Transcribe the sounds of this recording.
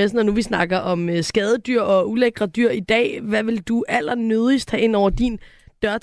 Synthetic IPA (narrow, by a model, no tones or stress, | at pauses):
esn̩ɒ̽nuʋisnɑ̈ɡ̥ɐʔɒ̽møsɡ̥ɛːð̞ˠəd̥yɐ̰ɒ̽uleɡ̥ʁɐd̥yɐ̰id̥ɛ̰ːʋæʋe̝ld̥uʔæl̰ɐnøð̞ˠisd̥hæʔe̝n̰ɒʊɐd̥in | d̥ɶɐ